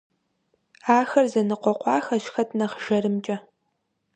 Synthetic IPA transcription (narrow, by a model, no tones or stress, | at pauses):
aːxɐrzɐnɨqʷɔqʷɑːxɐʃxɐtʰnɐχʒ̥ɐrɨmt͡ʃʼɐ